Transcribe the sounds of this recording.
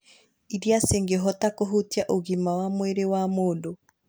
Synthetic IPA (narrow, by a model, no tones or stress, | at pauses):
iɾiaseŋɡeɦɔtakoɦutiaʔoɣimawamweɾewamoːndo